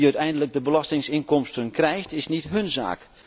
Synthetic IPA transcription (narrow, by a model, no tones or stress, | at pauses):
œɥtɛjndələɡ̚dəbəlɑstɪŋsɪŋkɔmstənkrɛjxtɪsnitɦɵnza̰ːk